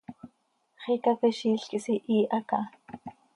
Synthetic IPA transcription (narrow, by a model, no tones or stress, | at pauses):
χikapiʃiːɬkisiʔiːʔɑkɑ